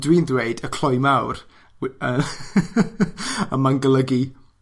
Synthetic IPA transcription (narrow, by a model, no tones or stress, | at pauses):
dwiːnðweɨdəkʰl̥ˠɔɨmawr | ə | əmanɡəlˠəɡi